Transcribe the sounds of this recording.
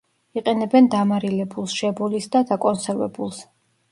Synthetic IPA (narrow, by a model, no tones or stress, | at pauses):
iqʼɛnɛbɛnd̪amaɾilɛbulˠsʃɛbulisd̪ad̪akʼɔnsɛɾvɛ̰bulˠs